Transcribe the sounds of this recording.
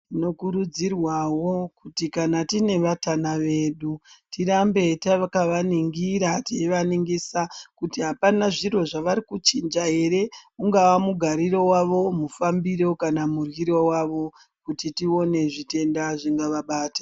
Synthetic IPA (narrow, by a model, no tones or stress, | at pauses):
tino̞kuɾud͡zirwawo̞kutikanatine̞ʋatanaʋe̞ɗutirambe̞taakaʋaniŋɡiɾateiʋaniŋɡisakutiɦapanaʐiro̞ʐaʋaɾikut͡ʃind͡ʒaɦe̞ɾe̞uŋɡawamuɡʱaɾiɾo̞waʋo̞mufambiɾo̞kanamurwiɾo̞waʋo̞ | kutitio̞ne̞ʐite̞ndaʐiŋɡaʋaɓaːtḁ